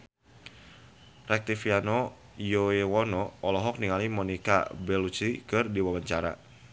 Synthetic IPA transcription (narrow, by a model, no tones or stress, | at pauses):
rɛk̚t̪ifianɔ | joewɔnɔːlɔɦɔk̚niŋalimɔnika̰bɛlut͡ʃikɨrdiwabəɲt͡ʃaɾa̰